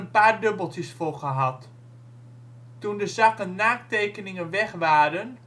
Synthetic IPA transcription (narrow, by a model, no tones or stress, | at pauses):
ənpaːrdøbəlˠtəsfʊχəɦɑt | undəzakənːaːk̚tejkənɪŋənʋɛχʋaːdən